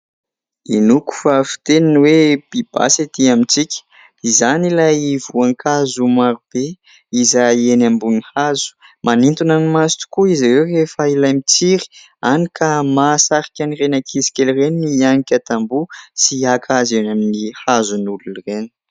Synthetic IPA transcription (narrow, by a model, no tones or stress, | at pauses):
inuku̥fafi̥t̪eninweb̥ib̥a̰sat̪iamit͡sikʲə̥ | izanilajivuaŋkʰazumaɾub̥e | izaienambunihazu̥manint̪unanimasit̪u̥kuizaɾewrefailajmit͡siɾi̥ | anikʰamasaɾi̥kʲanirenakʰizi̥kʲelireniniaŋikʲat̪ambusiakʰazenaminihazunulunreni̥